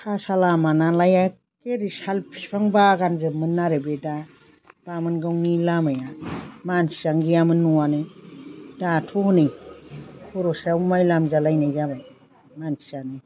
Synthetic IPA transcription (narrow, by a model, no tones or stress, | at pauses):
sʰasalamanalaja | keɾisalpʰi̥pʰaŋbaɡanzɯmɯnːaɾebeda | b̥amɯnɡawŋilamajamansi̥aŋɡijamɯnːuwanɯ | datʰohnɯj | kʰoɾosaumajlamzalajnajzabaj | mansi̥ani